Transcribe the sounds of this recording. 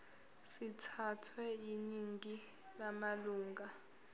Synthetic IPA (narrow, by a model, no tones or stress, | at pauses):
sitʰatʰwɛiniŋɡi | lamaluːŋɡa